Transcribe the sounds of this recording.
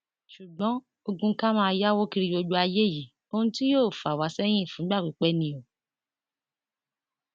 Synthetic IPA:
ʃu˨ɡ͡bɔ̃˨˦ | o˧ɡũ˧˦ka˦mãː˦˧ja˦wo˦ki˧ɾi˧jo˧d͡ʒu˧˦a˧je˦˨ji˨ | o˧hũ˧˦ti˦joː˦˨fa˨wa˨˦sɛ˦j̃ĩ˦˨fũ˨˦ɡ͡ba˦˨k͡pi˨˦k͡pɛ˦nĩ˧˦o˨

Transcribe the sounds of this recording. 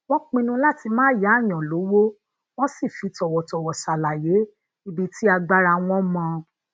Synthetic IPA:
w̃ɔ̃˦k͡pĩ˧nũ˧la˦ti˧mãː˦ja˨˦˨j̃ɔ̃˨lo˨˦wo˦ | w̃ɔ̃˦si˦˨fi˧˦tɔ˨wɔ˨tɔ˨wɔ˨ʃa˨la˨je˨˦ | i˧bi˦ti˦a˧ɡ͡ba˧ɾa˧w̃ɔ̃˦mɔ̃˧

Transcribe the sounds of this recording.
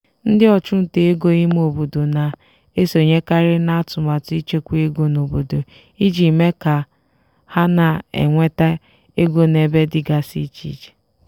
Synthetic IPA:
n̩˦dɪ˦ɔ˨t͡ʃʊ˦n̩˨te˨e˦ɡo˦i˦m˦o˨bo˨do˨na˨ | e˦so˨ɲe˦ka˦ɾɪ˦na˦a˦tʊ˨ma˨ti˦t͡ʃe˦kʷu˦e˦ɡo˨no˨bo˨do˨ | i˦d͡ʒi˨me˦ka˨ | ha˦na˨ḛ˨ŋʷe˦ta˦ | e˦ɡʷo˦ne˨be˦dɪ˨ɡa˨sḭ˦t͡ʃḭ˨d͡ʒe̥˨

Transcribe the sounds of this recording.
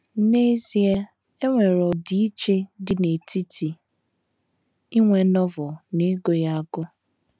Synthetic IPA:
ne˦zi˦e˦ | e˦ŋʷe˨ɾɔ˨di˦i˦t͡ʃe˦dɪ˨ne˨ti˦ti˨ | i˦ŋʷe˨˦nɔ˦vɔ˨ne˦ɡo˦ja˦a˦ɡʊ˦

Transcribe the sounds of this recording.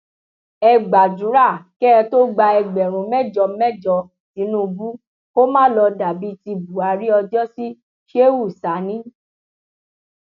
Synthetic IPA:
ɛ˧ɡ͡ba˨d͡ʒu˨˦ɾa˦˨kɛ˦ɛ˧to˦ɡ͡ba˧ɛ˧ɡ͡bɛ˨ɾ̃ũ˨˦mɛ˦˨d͡ʒɔ˧mɛ˦˨d͡ʒɔ˧ | nĩ˨˦nũ˦˨bu˦ | ko˦mãː˦lɔ˧da˨bi˨˦ti˧bu˨a˨ɾi˦ɔ˧d͡ʒɔ˦si˦ | ʃe˦wu˦˨sa˨˦nĩ˦

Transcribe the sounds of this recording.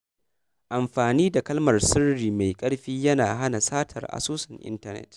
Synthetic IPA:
ʔa˨mɸaː˨niː˦da˨kɐ˦lmɐ˨rsɪ˦rɽiː˨ma˨jkʼɐ˦ɽɸiː˦jɐ˦naː˨ɦa˦na˨saː˦tʰɐ̰˨rʔa̰˨soː˦sɐ˨ŋʔɪ̰˦ntɐ˦nɛ̰˨t

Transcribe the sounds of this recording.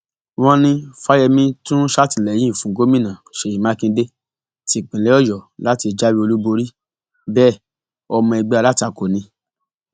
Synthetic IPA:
w̃ɔ̃˦nĩ˧fa˦jɛ˧mĩ˧tũ˦ʃa˦˨tĩ˨lɛ˨jĩ˨˦˨fũ˨ɡo˦mĩ˦˨nã˨ʃe˨i˨mã˦kĩ˧˦de˦ | ti˨k͡pĩ˨lɛ˨˦ɔ˦˨jɔ˨la˨˦ti˧˨d͡ʒa˦wi˦o˧lu˦bo˧ɾi˦ | bɛː˦˨ | ɔ˧mɔ̃˧ɛ˧ɡ͡bɛ˧˦a˧la˦ti˦a˨ko˨nĩ˧˦

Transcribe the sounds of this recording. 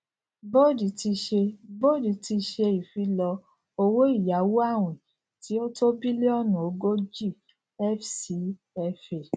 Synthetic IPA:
bo˦˨di˨ti˧ʃe˧bo˦˨di˨˦ti˧ʃe˧i˨fi˨˧lɔ˧ | o˧wo˦i˦˨ja˨˦wo˦a˦˨w̃ĩ˨ | ti˨˦o˦to˦bi˦le˦ɔ˦˨nũ˨o˨ɡo˦d͡ʒi˦˨ | ɛ˦fsi˨˦ | ɛ˧fe˨

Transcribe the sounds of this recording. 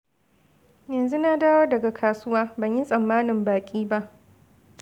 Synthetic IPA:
jɐ˨nzu˦na˦daː˦wo˦rdɐ˨ɡa˨kʰaː˨sʊ˦waː˦bɐ˨ɲji˦sʼɐ˨mːaː˦nɪ˨mbaː˨kʲʼiː˦ba˦ʔ

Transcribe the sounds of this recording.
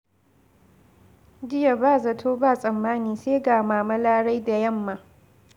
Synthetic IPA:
d͡ʒɪ˦ja˨baː˦˨zɐ˨tʰoː˦baː˦˨sʼɐ˨mːaː˦niː˨seː˦ɡaː˨maː˨mɐ˦laː˦ɽa˦jda˨jɐ˦˨mːa˨

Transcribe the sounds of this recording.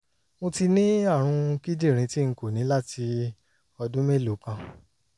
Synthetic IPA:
mõ˧ti˧nĩ˦a˦˨ɾ̃ũ˧ki˦d͡ʒe˦˨ɾ̃ĩ˧ti˦˧ko˦˨nĩ˨˦la˦ti˧ | ɔ˧dũ˦me˦˨lo˨˦pã˧

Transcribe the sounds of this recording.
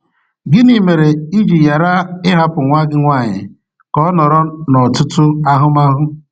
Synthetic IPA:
ɡɪ˦ni˨me˨ɾe˨i˦d͡ʒi˨ja˨ɾa˦ɪ˦ɦa˦pʊ˨ŋʷa˦ɡɪ˦ŋʷa˦˨ɲɪ̰˨ | kɔ˦nɔ˨ɾɔ˦nɔ˨tʊ˦tʊ˦a˦ɦʊ˦ma˦ɦʊ˦

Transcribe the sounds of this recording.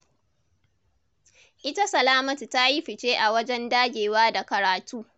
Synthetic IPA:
ʔɪ˦ta˦sɐ˨laː˦mɐ˦tu˨ta˦ji˦ɸɪ˨t͡ʃeː˦ʔa˨wɐ˦d͡ʒɛ˦ndaː˦ɡʲeː˨waː˦da˨kɐ˨ɾaː˨tʰuː˦

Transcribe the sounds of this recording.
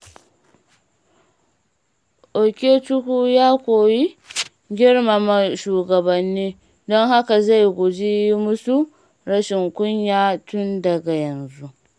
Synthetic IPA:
ʔo˨kʲeː˦tʊ˦huː˦jaː˦kʷoː˨ji˦ | ɡʲɪ˦ɽma˨ma˨ʃuː˨ɡɐ˨bɐ˨nːiː˦ | dɔ˦ŋha˦ka˨za˦˨jɡʷʊ˨d͡ʒi˦ji˦mʊ˦su˦ | ɾɐ˦ʃɪ˨ŋkʷʊ˦ɲjaː˦tʊ˦ndɐ˨ɡa˨jɐ˨nzu˦ʔ

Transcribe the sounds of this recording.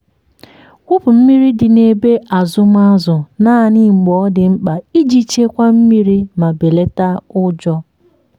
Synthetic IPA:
kʷʊ˦pʊ˨m̩˦mi˦ɾi˦dɪ˨ne˨be˦ʔa˨zʊ˦m˦a˦zʊ˨na˦ni˦˨ŋ͡m̩˨ɡ͡bɔ˨˦dɪ˨ŋ͡m̩˦k͡pa˨i˦d͡ʒi˦t͡ʃe˦kʷa˦m̩˦mi˦ɾi˦ma˨be˨le˦ta˦ʊ˦d͡ʒɔ˦

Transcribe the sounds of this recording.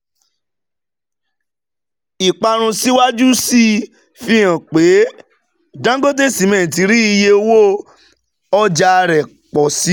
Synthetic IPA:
i˨k͡pa˧ɾ̃ũ˧si˦wa˦d͡ʒu˦si˦ | fi˧j̃ã˨k͡pe˨˦ | dã˦ɡo˦de˦˨si˨˦mɛ̃˨t̬i˨˦ɾi˦i˧je˧o˧wo˦ | ɔ˦d͡ʒa˧ɾɛ˨ | k͡pɔ˨si˨˦

